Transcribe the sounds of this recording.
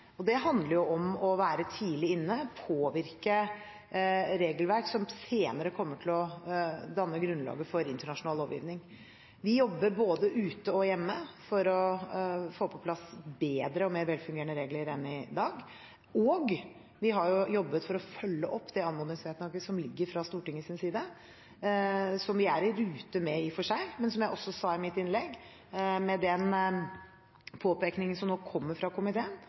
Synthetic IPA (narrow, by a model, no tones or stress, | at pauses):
ɔd̪ɛɦɑnd̪ləɾjʊɔmɔʋæːɾət̪ʰiːlɪɪnːəpʰoːʋɪɾkə | ɾeːɡəlʋæɾksɔmseːnəɾəkʰɔmːəʈʰɪlɔd̪ɑnːəɡɾʉnlɑ̰ːɡəfɔɾɪnt̪əɳɑʂʊnɑːloːʋjḭːʋnɪŋ | ʋɪjɔbːəɾboːd̪əʔʉːt̪əɔjɛmːəfɔɾɔ | foːpʰɔpʰlɑsbeːd̪ɾəɔmeːɾʋɛlfʉŋɡeːəɳnəɾeːɡləɾɛnːɪd̪ɑːɡ | ɔːɡ | ʋɪɦɑɾjʊjɔbːət̪fɔɾɔfœlːəʔɔpːd̪ɛɑnmɔːd̪ɪŋsʋeːt̪nɔɡəsɔmlɪɡːəɾfɾɑst̪uːʈɪŋːəsɪnəsiːd̪ə | sɔmʋɪæɾɪɾʉːt̪əmɛɪfɔʂæɪmɛnsɔmjæɪʔɔsːɔsɑːɪmɪt̪ɪnlɛɡː | mɛd̪ɛn | pʰoːpeknɪŋənsɔmnoːkʰɔmːəɾfɾɑkʊmɪt̪ʰeːən